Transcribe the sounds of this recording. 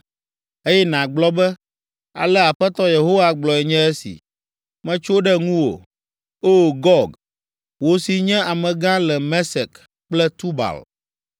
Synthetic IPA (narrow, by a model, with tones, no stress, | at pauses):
e˦jɛ˦nã˨ɡ͡blɔ˦bɛ˦ | a̰˨lɛ˦a˨ɸɛ˦t̪ɔ˦je˨ɦo˦wa˦ɡ͡blɔ˨ɛ˨ɲɛ̃˦ɛ˦sḭ˨ | mɛ̃˦t͡ʃo˦ɖɛ˦ŋũ˦wo̰˨ | o˦ɡɔ˦ɡ | wo˦si˨ɲɛ̃˦a˨mɛ̃˨ɡã˦lɛ˨mɛ̃˦sɛ˨k | k͡plɛ˦t̪u˦ba̰˨l